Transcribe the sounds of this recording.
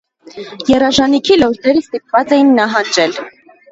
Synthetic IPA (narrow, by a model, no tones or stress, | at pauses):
jɛrɑʒɑnikʰilɔɾd̪ɛɾəst̪ip̚vɑt͡sɛjinːɑɦɑnd͡ʒɛl